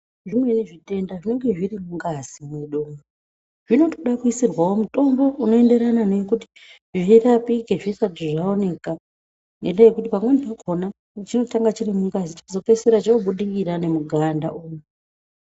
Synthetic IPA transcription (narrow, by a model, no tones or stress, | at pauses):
ʐimwe̞niʐite̞ndaʐine̞ŋɡe̞ʐirimuŋɡazimweɗomɡo | ʐ̥ino̞toɗakuisirwawo̞muto̞mbo̞uno̞e̞nde̞ɾananekuti̥ | ʐirapiɡʱeʐisatiʐaone̞ka | ne̞̰ndejekutipamwenipakʰona | t͡ʃino̞taŋɡat͡ʃirimuŋɡazit͡ʃḁkuzo̞pe̞seɾat͡ʃauɓuɗikiɾane̞muɡʱanda̰ʔuːju